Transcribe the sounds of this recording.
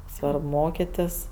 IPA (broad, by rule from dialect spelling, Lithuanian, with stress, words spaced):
ˈsʋɐrp ˈmoːkʲɪtʲɪs